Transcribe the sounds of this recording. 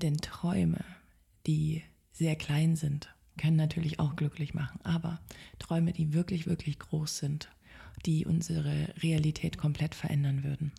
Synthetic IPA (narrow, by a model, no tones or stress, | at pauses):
d̥ɛntʁ̥ɔʏmə̰ | d̥iː | z̥eːɐkl̥aɪnzɪnt | kʰœnənːatʰyːɐlɪça̰ʊxɡ̥lʏklɪçmaχn̩ʔaːbɐtʁ̥ɔʏməd̥iːvɪɐklɪçv̥ɪɐklɪçɡ̥ʁoːsz̥ɪnt | d̥iːʔʊ̰nzəʁəʁealitʰɛːtkʰɔmpl̥ɛtfɛɐʔɛndɐnvʏɐdn̩